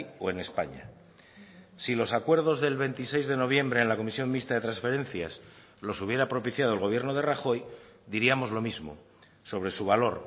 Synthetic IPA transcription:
o̞̰e̞ne̞spaɲa̰ | silo̞sakwe̞ɾð̞o̞zðe̞lβe̞nt̪ise̞jzðe̞no̞β̞je̞mbɾe̞ːnlako̞misjo̞nmːist̪aðet̪ɾãnsfeɾẽ̞n̟θjas | lo̞suβ̞je̞ɾapɾo̞piθjað̞oelɣo̞β̞je̞ɾnoð̞e̞raxo̞jd̪iɾiamo̞zlo̞mizmo̞̰ | so̞βɾe̞suβ̞alo̞ɾ

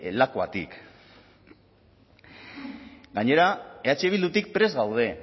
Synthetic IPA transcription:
lakoa̰t̪ḭk | ɡaɲe̞ɾae̞at͡ʃeβ̞ild̪ut̪ik̚pɾe̞zɣawð̞e̞

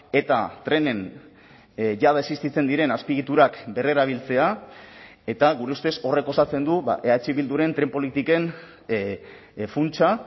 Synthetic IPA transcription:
e̞t̪at̪ɾe̞ne̞n | ʝaðaesist̪it͡se̞nd̪iɾe̞naspiɣit̪uɾakbe̞re̞ɾaβ̞ilt͡se̞a | e̞t̪aɣuɾe̞ust̪e̞so̞re̞ko̞sat͡se̞nd̪uβa̰ʔe̞at͡ʃiβild̪uɾe̞nt̪ɾe̞mpo̞lit̪ike̞n | funt͡ʃa

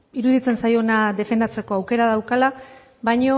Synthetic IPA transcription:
iɾuðit͡se̞nsajo̞naðe̞fe̞nd̪at͡se̞ko̞awke̞ɾaðawkala | βajɲo̞

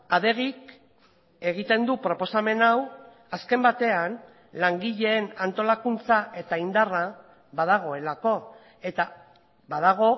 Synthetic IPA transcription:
aðe̞ɣik | e̞ɣ̞it̪e̞nd̪upɾo̞po̞same̞naw | aske̞mbat̪e̞an | laŋɡiʎe̞ːnant̪o̞lakunt͡saʔe̞t̪aind̪ara | βað̞aɣ̞o̞e̞lako̞ | e̞t̪a | βað̞aɣ̞o̞

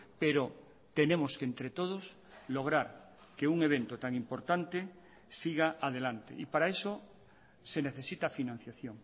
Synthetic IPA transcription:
peɾo | t̪enẽmoskent̪ɾet̪oð̞os | loɣ̞ɾaɾ | keuŋeβ̞ent̪ot̪aŋimpoɾt̪ant̪e | siɣaʔað̞elant̪ḛipaɾaeso | seneθesit̪afinãn̟θjaθjoŋ

